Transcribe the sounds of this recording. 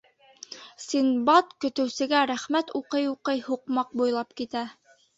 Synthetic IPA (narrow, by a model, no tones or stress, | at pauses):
sinbɑt̪kɵ̆t̪ɘ̆wsɘ̆ɡæɾæχmæt̪uqɤjuqɤjhuqmɑq̚bujlˠɑpkit̪æ